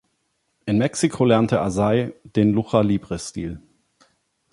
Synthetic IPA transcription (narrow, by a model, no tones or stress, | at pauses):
ʔɪnmɛksikʰolɛɐntʰəʔazaɪd̥eːnluχɐliːbʁəstḭːl